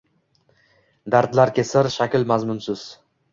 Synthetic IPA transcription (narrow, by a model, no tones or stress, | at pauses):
d̪aɾt̪laɾkʲʰesaɾʃakʲlmazmʊnsɪz̥